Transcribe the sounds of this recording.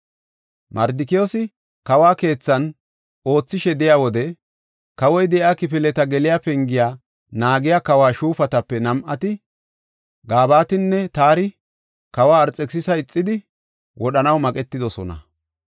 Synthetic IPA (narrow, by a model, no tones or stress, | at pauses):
mʔɐɾd̪ɪkɪjosɪ | kɐwaːke̞ːt͡sːɐn | o̞ːt͡sːɪʃɛd̪ɛjawɔd̪ɛ | kɐwɔjd̪ɛʔaːkɪpɪlɛt̪ɐɡɛlɪjaːpɛŋɡɪjaː | naːɡɪjakɐwaːʃuːpɐt̪ɐpːɛnɐmʔɐt̪ɪ | ɡaːbaːt̪ɪnːɛt̪aːɾɪ | kɐwaːɾt͡sʼːɛksɪsɐɪt͡sʼːɪd̪ɪ | wʔɔɗɐnɐwmɐkʼɛt̪ːɪd̪ɔsɔ̰nɐ̰